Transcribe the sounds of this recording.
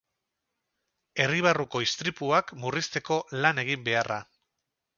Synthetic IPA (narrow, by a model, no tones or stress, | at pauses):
e̞riβ̞aruko̞ist̪ɾipuakmurist̪e̞ko̞lane̞ɣ̞imbe̞ara